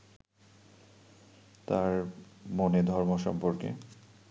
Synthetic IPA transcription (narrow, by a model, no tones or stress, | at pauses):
t̪aɾmoned̪ʱɔɾmoʃɔ̰mpoɾkḛ